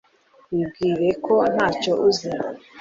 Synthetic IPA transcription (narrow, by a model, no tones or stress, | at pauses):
wib̚ɡiːɾe̞ko̞n̥haːco̞ʔuziɾa